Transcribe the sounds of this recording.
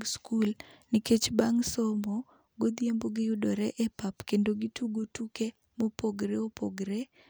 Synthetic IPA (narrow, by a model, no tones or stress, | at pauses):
skulnɪket͡ʃbaŋsɔmɔ | ɡod̪jemboɡɪjudɔɾɛʔɛpapkendoɡituɡotuke | mopoɡɾeopʰoɡɾe